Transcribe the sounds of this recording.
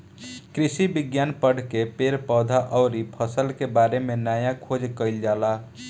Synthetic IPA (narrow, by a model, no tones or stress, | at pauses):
kɾisibiɡjanpəɽ̤kepeɾpɔd̪ʱaʔɔʊɾipʰəsəlkebaɾemenajakʰod͡ʒkəɪld͡ʒala